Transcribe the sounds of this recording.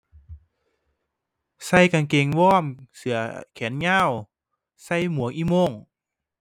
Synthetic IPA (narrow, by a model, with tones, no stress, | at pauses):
sa˧˩˨jka˧˩nke˨˩ŋwɔː˧˥˩msɯ˨˩˦ɐkʰɛː˨˩˦nɲaː˧˥˨w | sa˧˥˩jmu˨˦əŋʔiː˧˩moː˧˩˨ŋ